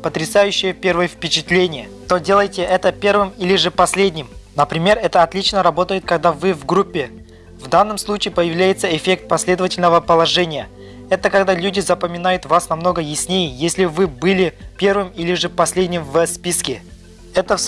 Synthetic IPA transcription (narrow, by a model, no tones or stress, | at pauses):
pət̪ɾʲɪsajʉɕːɪjəpʲe̞rvəjəfpʲɪt͡ɕɪt̪lʲenʲɪjə | t̪o̞dʲe̞lˠəjtʲɪʔɛt̪əpʲe̞rvɨmilʲɪʐɨpɐsʲlʲedʲnʲɪmnəpɾʲɪmʲe̞rɛt̪əɐt̪lʲit͡ɕnəɾɐbo̞t̪əjɪt̪̚kɐɡ̚d̪avɨvɡɾupʲːɪ | vd̪anːəmslˠut͡ɕɪɪpəjɪvlʲæjɪt̪səɪfʲe̞k̚t̪̚pɐsʲlʲe̞d̪əvətʲɪlʲnəvəpəlˠɐʐɛnʲɪjə | ɛt̪əkɐɡd̪alʲʉdʲɪzəpəmʲɪnajʊt̪vasnɐmno̞ɡəjɪsʲnʲejɪjesʲlʲɪvɨbɨlʲɪpʲe̞rvɨmilʲɪʐɨpɐsʲlʲedʲnʲɪmvəspʲiskʲɪ | ɛt̪ə